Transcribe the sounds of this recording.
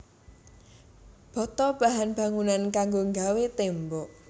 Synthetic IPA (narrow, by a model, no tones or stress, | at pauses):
b̥ɔ̤t̪ɔb̥a̤ɦanb̥ä̤ŋunankaŋɡoŋɡawet̪embɔʔ